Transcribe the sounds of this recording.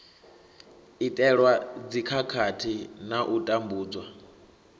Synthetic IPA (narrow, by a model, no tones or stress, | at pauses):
itʼɛɺwad͡zikʰakʰatʰinaʔutʼambuːd͡zwa